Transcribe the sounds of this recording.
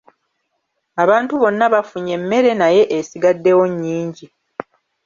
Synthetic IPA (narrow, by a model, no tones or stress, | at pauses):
aβaːntuβo̞nːaβafuɲe̞mːe̞ɾe̞naje̞ʔesiɡadːe̞wo̞ɲːiːɲɟi